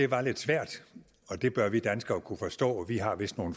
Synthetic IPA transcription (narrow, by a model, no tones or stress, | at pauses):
e̝ʋɑ̈le̝d̥sʋæɐ̰d̥ | ɒ̽d̥e̝b̥ɶɐʋid̥ænsɡ̥ɐkʰufɒ̽sd̥ɔ̰̽ːʋiɦɑ̈ʋe̝sd̥no̝ːn̩